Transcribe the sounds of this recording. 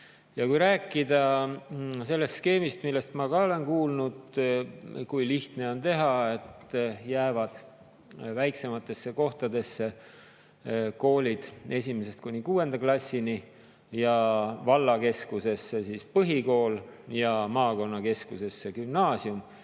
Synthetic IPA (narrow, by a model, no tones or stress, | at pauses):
jɑkujɾæːkːˑid̪̥ɑ | se̞lːe̞st̪ske̞ːmist̪milːe̞st̪mɑkɑo̞le̞nkuːlnud̪ | kujliht̪ne̞o̞nt̪e̞ɦɑe̞t̪ːjæːvɑd̪̥ | væjkse̞mɑt̪ːˑe̞sːe̞ko̞ht̪ɑd̪e̞sːe̞ | ko̞ːlʲid̪̥e̞sʲimese̞st̪̚kunʲikuːe̞nd̪ɑklɑsʲːini | jɑvɑlːɑke̞skuse̞sːesispɤɦiko̞ːljɑmɑːko̞nːɑke̞skuse̞sːe̞kymnɑːsium